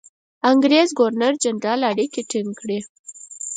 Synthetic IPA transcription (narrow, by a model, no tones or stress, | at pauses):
aŋɡɾezɡoɾnaɾd͡ʒaɳɖɑlaɽikeʈiŋɡkɽi